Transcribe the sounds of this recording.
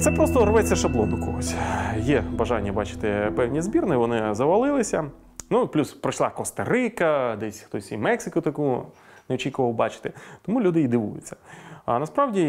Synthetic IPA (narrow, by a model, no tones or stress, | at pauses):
t̪sɛpɾɔst̪ɔɾɔʋɛt͡sʲːɐʃɐblˠɔd̪ʊkɔɦɔsʲjɛbɐʒɑnʲːɐbɑt͡ʃɪ̥t̪ɪpɛwnʲizbʲirnɪʋɔnɪzɐʋɐlˠɪlˠɪsʲɐ | nuplʲuspɾɔt͡ʃlˠɑkɔst̪ɐɾɪkɐd̪ɛsʲxt̪ɔsʲimɛksɪkʊt̪ɐku | neɔt͡ʃʲikʊʋɐlˠbɑt͡ʃɪ̥t̪ɪt̪ɔmulʲud̪ɪjid̪ɪʋṵjʊt͡sʲːɐ̥ɐnɐspɾɑʋdʲi